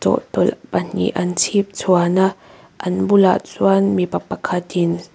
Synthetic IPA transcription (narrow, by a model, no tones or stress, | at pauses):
t͡sɔ̰ʔt̪ɔlpɐn̥ḭʔɐnt͡sʰip̚t͡sʰuana | ʔɐnbula̰ʔt͡suanmipɐpɐkʰat̪in